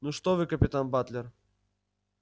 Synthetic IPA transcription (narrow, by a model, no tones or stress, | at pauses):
nuʂt̪ovɨkəpʲɪt̪anbat̪lʲɪr